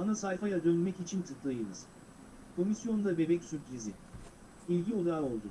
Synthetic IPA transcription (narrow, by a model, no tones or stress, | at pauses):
anasajfajad̪ønylʲmɛcit͡ʃʰint̪ʰɯk̪lˠajɯlɯ̰z̥ | kʰo̞misjo̞nd̪abe̞bɛcsyɾpɾizɪ | ilʲɟiolˠaɾano̞lˠd̪u